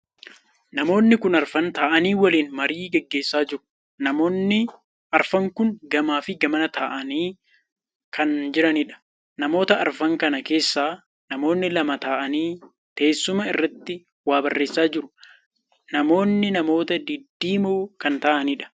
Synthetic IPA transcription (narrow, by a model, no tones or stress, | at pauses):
nɐmo̞ːnːɪkʊnɐɾfɐnt̪aːʔɐniːwɐliːnmɐɾiːɡɛɡːe̞ːsːaːd͡ʒɪɾʊ̥ | nɐmoːnːɪ | ɐɾfɐŋkʊŋɡɐmaːfɪɡɐmɐnɐt̪aːʔɐniː | kɐnd͡ʒɪɾɐnɪᶑɐ̥ | nɐmo̞ːt̪ɐɐɾfɐŋkɐnɐke̞ːsːaː | nɐmo̞ːnːɪlɐmɐt̪aːʔɐniː | t̪e̞ːsːʊmɐɪrːɐt̪ːɪ | waːbɐrːe̞ːsːaːd͡ʒɪɾʊ̥ | nɐmo̞ːnːɪnɐmo̞ːt̪ɐd̪ɪd̪ːiːmuːkɐnt̪aːʔɐnɪᶑɐ̥